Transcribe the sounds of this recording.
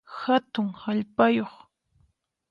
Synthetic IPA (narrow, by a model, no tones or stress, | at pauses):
hat̪ʊŋhaʎpajoχ